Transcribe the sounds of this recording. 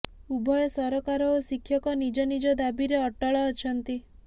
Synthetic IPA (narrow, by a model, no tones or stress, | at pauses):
ubʱɔjɔsɔɾɔkaɾɔosikʰːjɔkɔnid͡ʒɔnid͡ʒɔd̪abiɾeɔʈɔɭɔːt͡ʃʰɔnt̪i